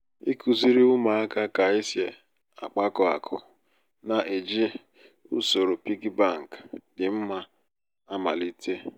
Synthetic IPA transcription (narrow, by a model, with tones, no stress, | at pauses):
i˦kʰu˨zi˦ɾi˦ʊ˦ma˨a˦ka˦ka˨i˦sje˨ | a̰˨k͡pa˦kɔ˨a̰˨kʰʊ̰˨ | na˨ʔe˨d͡ʒi˦ | ṵ˦so˨ɾo˨pi˦ɡi˦ba˦˨ŋ̩˨kdɪ˨m̩˦ma˦ | a˦ma̰˨li˦tʰe˦